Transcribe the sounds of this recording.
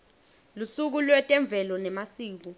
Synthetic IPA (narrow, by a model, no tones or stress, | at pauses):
lusuk̬ulwɛtʼɛɱb̪vʱɛlɔnɛmasiːk̬u